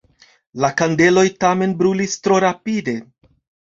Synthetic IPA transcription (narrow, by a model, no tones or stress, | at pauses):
lakande̞lo̞jtame̞nbɾulistɾo̞ɾapide̞